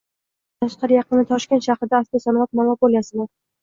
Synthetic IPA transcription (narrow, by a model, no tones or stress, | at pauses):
t̪ʰaʃqɑɾɪjɑqɨnɪt̪ʰɒʃkʲe̞nt̪ʃɑhɾɪd̪aːsk̪ʲasɒnvat̪̚manabolˠjasɪlaɾ